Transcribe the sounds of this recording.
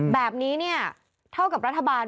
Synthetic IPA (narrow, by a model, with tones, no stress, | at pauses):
bɛː˨˩p̚niː˦˥ni˥˩ɐ | t̪ʰa˥˩wka˨˩pɾa˦˥t̪ʰːa˧baː˧n